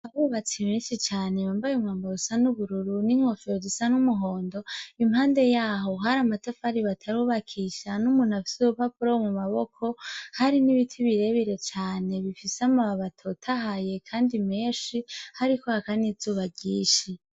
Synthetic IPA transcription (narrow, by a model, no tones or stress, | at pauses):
aβuβat͡simeːnʃit͡ʃaːne̞βaːmbajumwaːmbaβusanuβuɾuɾuniŋ̥ofeɾozisanumuɦoːndo̞imhaːnde̞jaːɦo̞ɦaɾamatafaɾiβatʰaɾuːβakʰiʃanumuːn̥afi̥suβupapuɾomumaβokʰo̞haɾiniβitʰiβiɾe̞βiɾe̞t͡ʃaːne̞βifiseamaaβatʰo̞tʰaɦaje̞kʰaːndime̞ːʃihaɾikohakanizuːβaɟiːʃi